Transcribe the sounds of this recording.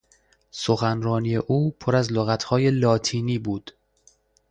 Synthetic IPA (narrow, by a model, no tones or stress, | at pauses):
so̞xænɾɒːnije̞ʔuːpʰoɾæzloɣæt̪ʰhɒːje̞lɒːt̪ʰiːniːbuːd̪̥